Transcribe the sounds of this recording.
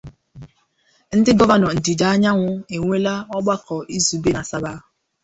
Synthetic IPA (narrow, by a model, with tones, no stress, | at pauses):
n̩˦dɪ˦ɡɔ˦va˨nɔ˨n̩˨di˨da˨˦a˦ɲa˦ŋʷʊ˦e˨ŋʷe˦la˦ɔ˦ɡ͡ba˦kʰɔ˨ʔi˦zu˨be˦na˨sa˦ba˦˨